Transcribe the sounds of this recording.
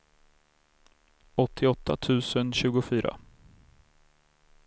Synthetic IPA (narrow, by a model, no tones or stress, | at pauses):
ɔt̪ʰːɪɔt̪ʰːat̪ʰʉ̟ːsənɕʉ̟ːɡʊfyːɾa̰